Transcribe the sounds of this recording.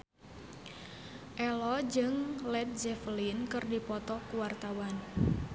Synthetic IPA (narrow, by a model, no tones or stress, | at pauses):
ʔɛlɔd͡ʒɨŋlɛt̪̚d͡ʒɛfəlinkɨrdipɔt̪ɔkuwart̪awan